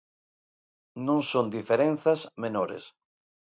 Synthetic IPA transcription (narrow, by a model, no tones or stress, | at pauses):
nõŋsõnd̪ifeɾẽnθɐzmenoɾḛs